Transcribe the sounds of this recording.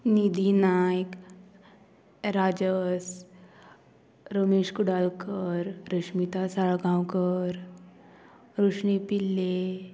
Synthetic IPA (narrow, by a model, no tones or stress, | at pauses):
nid̪inajk | ɾad͡ʒəs | ɾəmeʂkuɽalkəɾɾəʂmit̪asaɭɡãwkəɾ | ɾuʂɳipilːe